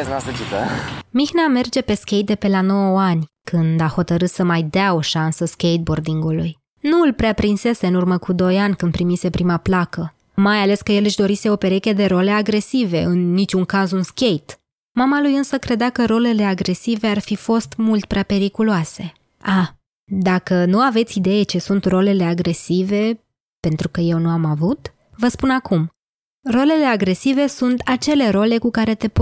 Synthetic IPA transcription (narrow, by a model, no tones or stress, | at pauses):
eznasət͡ʃit̪əmixname̞rd͡ʒe̞pe̞skʲe̞jt̪̚d̪e̞pe̞lano̞wəanʲkʰɨnd̪aho̞t̪əɾɨt̪səmajd̪eao̞ʃansəskʲe̞jt̪̚bo̞rd̪iŋɡuluj | nuɨlpɾeapɾinse̞se̞ɨnurməkud̪o̞janʲkɨnd̪̚pɾimise̞pɾʔimaplakə | majale̞skəje̞lɨʃd̪o̞ɾise̞o̞pe̞ɾe̞kʲe̞d̪e̞ɾo̞le̞aɡɾe̞sive̞ɨnːit͡ʃʲuŋkazunskʲe̞jt̪ | mamalujɨnsəkɾe̞d̪akəɾo̞le̞le̞aɡɾe̞sive̞arfifo̞st̪mult̪̚pɾeape̞ɾikuluase̞ | a | d̪akənuave̞t̪sʲid̪e̞jet͡ʃe̞sunt̪ro̞le̞le̞aɡɾe̞sive̞ | pe̞nt̪ɾukəje̞wnuamavut̪ | vəspunakum | ro̞le̞le̞aɡɾe̞sive̞sunt̪at͡ʃe̞le̞ɾo̞le̞kukaɾe̞t̪e̞p